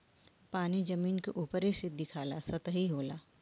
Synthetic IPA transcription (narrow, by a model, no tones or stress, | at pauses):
paːnid͡ʒɐmiːnkeʔuːpəɾisɪt̪̚d̪ɪkʰaːlasɐt̪əɦiɦoːlaː